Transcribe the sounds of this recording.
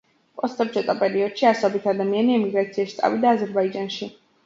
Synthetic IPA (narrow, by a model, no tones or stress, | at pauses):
pʼɔst̪ʼɔbd͡ʒɛt̪ʼɔpʼɛɾiɔd̪̥ʃiasɔbit̪ʰad̪amianiɛmiɡɾat̪sʰiaʃt̪sʼa̰vid̪aːzɛɾbaid͡ʒanʃi